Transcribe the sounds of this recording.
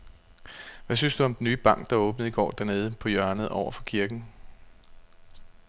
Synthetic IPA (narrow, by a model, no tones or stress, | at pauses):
ʋæsynsd̥uɒ̽md̥enːyːb̥ɑ̈ŋ̰ɡ̥̚d̥ɑ̈ɔ̽ːb̥n̩əð̩ˠiɡ̥ɒ̰ːd̥æɐne̝ːð̞ˠəpʰɒ̽jɶɐnð̩ˠɒ̰ʊɐfɒ̽kʰiɐɡ̥n̩